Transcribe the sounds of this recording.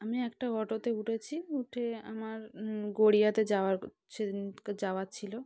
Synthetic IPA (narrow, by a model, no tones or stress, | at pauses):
amiɛkʈaɡʱɔʈot̪euʈʰet͡ɕʰiuʈʰea̰maɾɡoɽijat̪ed͡ʑawa | ked͡ʑawat͡ɕʰilo